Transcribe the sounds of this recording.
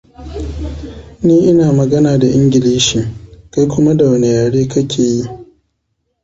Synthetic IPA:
niː˦ʔɪ˦naː˨mɐ˨ɡɐ˦naː˨da˨ʔɪ˦ŋɡʲɪ˨liː˦ʃi˨ka˦jkʷʊ˦ma˦da˨wɐ˨ne˨jaː˨ɽeː˦kɐ˦kʲʰeː˨ji˦

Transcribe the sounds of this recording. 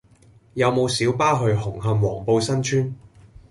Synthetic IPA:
jɐ˨˧wmo˨˧wsiː˨˥wpaː˥ɦɵ˧ɥɦʊ˨˩ŋɦɐ˨˧mwɔː˨˩ŋpo˧wsɐ˥nt͡ʃʰyː˥n

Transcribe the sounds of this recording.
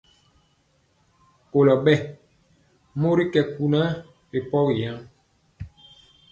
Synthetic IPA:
ko˨lɔ˨ɓɛ˦ | mo˦ɾi˦kɛ˨ku˨na˦ | ɾe˨pɔ˦ɣi˨ja˦ŋ

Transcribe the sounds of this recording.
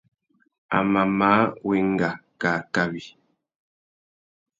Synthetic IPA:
a̰˨ma˨ma˨˦we˨ŋɡa˨ka˨ka˦βi˨

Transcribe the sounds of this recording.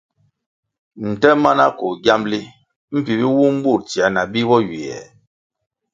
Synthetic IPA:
n̩˨tɛ˦ma˦na˦ko˨ɡja˦mli˦ | m̩˦pi˨bi˦wu˦m̩˦bu˦˨ɾti˨a˨˦na˨bi˦bɔ˦ɥi˨ɛ̰˨

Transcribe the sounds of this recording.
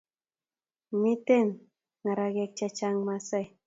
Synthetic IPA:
mi˦te˦˨n | ŋa˨ɾa˨ɡɛ˨k̚t͡ʃa˦t͡ʃa˦ŋma˨sa˦j

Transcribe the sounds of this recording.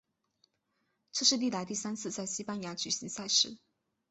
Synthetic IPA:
ʈ͡ʂɤ˥˧ʂɻ̩˥˧li˥˩la˧˥ɪt̪̬i˥˩sa˥nt͡sʰɹ̩˥˧t͡sa˥˩ɪɕi˥pa˥nja˧˥t͡ɕy˨˩ɕi˧˥ŋsa˥˧ɪʂɻ̩˥˩

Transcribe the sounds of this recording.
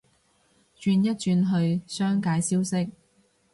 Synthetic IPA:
t͡ʃyː˧njɐ˥t̚t͡ʃyː˧nɦɵ˧ɥsœː˥ŋkaː˧jsiː˥wsɪ˥k̚

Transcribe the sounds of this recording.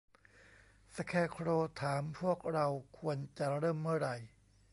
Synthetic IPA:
sa˧kʰɛː˧˩kʰɾoː˧t̪ʰaː˩˦mpʰu˥˩ək̚ɾa˧wkʰu˧ənt͡ɕa˨˩ɾɤː˥˩mːɯ˥˩ɐɾa˧j

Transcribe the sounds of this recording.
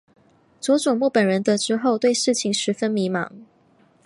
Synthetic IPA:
t͡swɔ˧˥ʈ͡ʂʊ˨˩ŋmu˥˩pə˨˩nɻə˧˦nt̪ə˧˦ʈ͡ʂɻ̩˥xo˥˧ʊt̪we˥˧ɪʂɻ̩˥˩t͡ɕʰi˨˥ŋʂɻ̩˧˥fə˦˥nmi˧˥mɑ̰˧˥ŋ

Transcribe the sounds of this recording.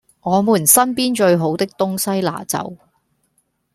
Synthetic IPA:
ŋɔː˨˧muː˨˩nsɐ˥npiː˥nt͡ʃɵ˧ɥɦo˨˥wt̪ɪ˥k̚t̪ʊ˥ŋsɐ˥jla̰ː˨˩t͡sɐ̰˨˧w

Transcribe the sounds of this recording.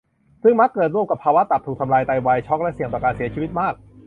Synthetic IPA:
sɯ˥˩ŋma˦˥kːɤː˨˩t̪̚ɾu˥˩əmka˨˩pʰːaː˧wa˦˥t̪a˨˩p̚t̪ʰuː˨˩t̪ʰa˧mlaː˧jt̪a˧jwa˧jt͡ɕʰɔ˦˥k̚lɛ˦˥si˨˩t̪ɔː˨˩kaː˧nsi˨˩˦ɐt͡ɕʰiː˧wi˦˥t̪̚maː˥˩k̚

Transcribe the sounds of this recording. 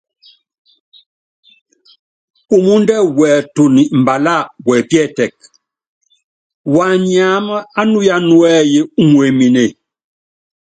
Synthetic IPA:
u˨mu˦n˦dɛ˦wɛ˨tu˨ni˨ʔm̩˨ba˨la˦˨wɛ˨pjɛ˦˨tɛ˨k̚ | wa˨ɲa˨˦mə˦a˦nu˦ja˦nwɛ˦je˦ŋwe˨mi˨ne˨

